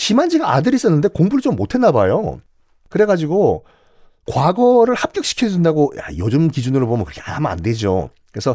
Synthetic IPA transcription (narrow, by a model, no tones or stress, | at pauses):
ɕimand͡ʑiɡaa̰dɯɾis͈ʌnːɯnde̞koŋbuɭit͡ɕomːotʰe̞nːabajo̰ | kɯɾe̞ɡad͡ʑiɡo | kwaɡʌɾɯɭhap̚k͈jʌk̚ɕ͈i̥kʰʌʌdwendaɡoja̰jod͡ʑɯmkid͡ʑunɯɾobomjənkɯɾʌkʰeama̰nde̞d͡ʑo̰ | kɯɾe̞sʰʌ